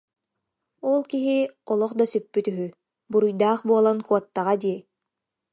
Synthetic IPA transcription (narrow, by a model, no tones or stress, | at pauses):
ɔlˠkiɦiɔlˠɔχd̪asypːyt̪yɦy | buɾujd̪aːχbuɔlˠankuɔt̪ːaʁad̪iɛ